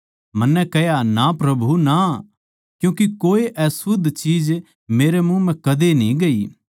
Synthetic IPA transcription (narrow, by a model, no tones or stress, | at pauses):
mɐnːɛkɛjanapɾɐbʱuna | kjũːkikoːiʔɛsʊd̪ʱt͡ʃiːd͡ʒ | meːɾemũmɛ̃kɐd̪enĩɡɐiː